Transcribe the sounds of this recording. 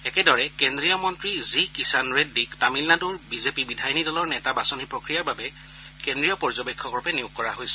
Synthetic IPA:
ɛkɛdɔɹɛkendɹijɔmɔntɹizikisanɹedːiktamilnatuɹbizepibidʱajɔnidɔlɔɹnɛtabasɔnipɹokɹijaɹbabɛ | kendɹijɔpɔɹzɔbekʰːɔkɔɹɔpɛniuɡkːɔɹaɦojsɛ

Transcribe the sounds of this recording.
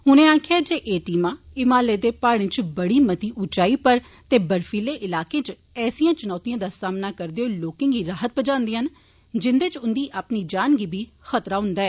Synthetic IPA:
ɦʊnẽːaːkʰeaːd͡ʒeːʔeːʈiːmãːɪmaːleːd̪eːpaːɽ̃ẽːt͡ʃbəɽiːmət̪iːʔʊt͡ʃaːiːpəɾ | t̪eːbəɾfiːleːʔɪlaːkẽːt͡ʃ | ɛːsijãːt͡ʃʊnɔːt̪ijãːd̪aːsaːmnaːkəɾd̪eoːloːkɪ̃ːŋɡiːɾaːɦət̪̚bəd͡ʒãːnd̪iːən | d͡ʒɪnd̪eːt͡ʃʊnd̪iːʔaːpniːd͡ʒaːnɡiːbʱiːxət̪ɾaːɦʊ̃nd̪aːɛː

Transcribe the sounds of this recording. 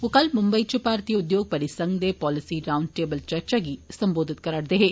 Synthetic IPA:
okɐlmʊmbɐjt͡ʃupaːɾt̪iːʊd̪joːɡ̚pɐɾɪsɐŋɡd̪epɔːlɪsiɾawɳɖ̚ʈeːbəlt͡ʃɐɾt͡ʃaɡisɐmboːd̪ʱɪt̪̚kɐɾɐɽd̪eɦeː

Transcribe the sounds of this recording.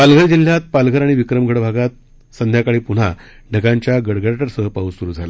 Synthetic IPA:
palɡʱəɾd͡ʑil̤jat̪̚palɡʱəɾaɽ̃iʋikɾəmɡʱəɽbʱaɡat̪̚ | sənd̪ʱjakaɭiːpuɽ̤a | ɖʱəɡaɲt͡ɕjaɡəɽɡəɽʈəɾsəɦəpausuɾuːd͡zʱala̰

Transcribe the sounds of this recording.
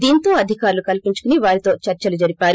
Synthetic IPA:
d̪iːnt̪o̞ːɐd̪ʱikaːɾlukɐlpiɲt͡ʃu̥kuniʋaːɾit̪o̞ːt͡ʃɐɾt͡ʃɐlud͡ʒɐɾipaːɾu

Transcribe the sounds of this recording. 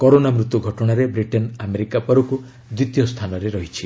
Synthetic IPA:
kɔɾonamɾut̪uɡʱɔʈɔɽ̃aɾebɾiʈɔnameɾikapɔɾɔku | d̪wit̪jɔst̪ʰanɔɾeɾɔɦit͡ʃʰi

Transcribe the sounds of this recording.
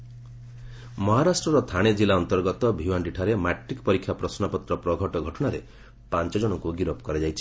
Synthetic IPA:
mɔɦaɾasʈɾɔɾɔt̪ʰaɽ̃ed͡ʒilaɔnt̪ɔɾɡɔt̪ɔbʱiwaɳɖiʈʰaɾemaʈɾikɔpɔɾikʰːjapɾɔsnapɔt̪ɾɔpɾɔɡʱɔʈɔɡʱɔʈɔɽ̃aɾe | pant͡ʃɔd͡ʒɔɽ̃ɔkuɡiɾɔpɔkɔɾed͡ʒajt͡ʃʰi̥

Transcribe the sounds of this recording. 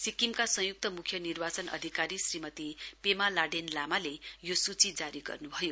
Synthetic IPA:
sikimkasʌ̃ɦjuk̚t̪ʌmukʰjʌnirbat͡sʌnʔʌ̰d̪ʱikaɾisrimʌt̪ipemalaɖenlamalejosut͡sid͡zaɾiɡʌ̰rnubʱʌjo

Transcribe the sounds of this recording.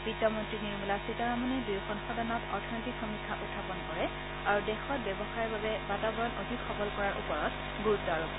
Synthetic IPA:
b̥itːɔmɔntɹiniɹmulasitaɹamɔnɛdiɹxɔnxɔdanɔtɔ̰ɹtʰɔnitikxɔmikʰːaʔutʰːapɔnkɔɹɛ | aɹudɛxɔt̚bɛbɔxaɹbabɛbatabɔɹɔnʔodʱikxɔbɔlkɔɹaɹʔṵpɔɹɔt | ɡuɹutːɔaɹuk

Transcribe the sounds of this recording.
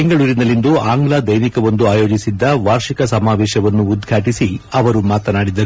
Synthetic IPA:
eŋɡɐɭuːɾinɐlːind̪uaːŋɡlaːd̪ɐjnikɐʋond̪uaːjo̞ːd͡ʒisid̪ːɐʋaːɾʂikɐsɐmaːʋɛːʃɐʋɐnːuːd̪ɡʱaːʈisiɐʋɐɾumaːt̪ɐnaːɽid̪ɐɾu

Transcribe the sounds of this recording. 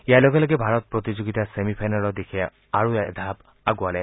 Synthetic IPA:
ijalɔɡɛlɔɡɛbʱaɹɔt̚pɹɔt̪izoɡitasemipʰajnɔɹɔd̪ekʰɛ | aɹuɛd̪ʱab | aɡualɛ

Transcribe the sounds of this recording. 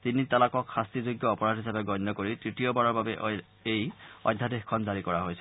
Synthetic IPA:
tinitalakɔkxastizoɡjɔɔpɔɹadɦisapɛɡɔjnːɔkoɹitɹitijɔbaɹɔɹbabɛʔ | ejɔ̰jdʱadexkʰɔnzaɹikɔɹaɦojsɛ̥

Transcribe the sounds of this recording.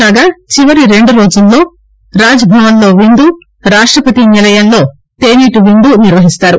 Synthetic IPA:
aːɡaːt͡ʃiʋɐɾiɾe̞ɳɖuɾo̞ːd͡ʒulːo̞ː | ɾaːd͡ʒɐbʱɐʋɐnlo̞ːʋind̪uː | ɾaːʂʈɾɐpɐt̪iɲɐlɐjɐnlo̞ː | t̪eːniːʈuʋind̪uːniɾʋɐɦist̪aːɾu

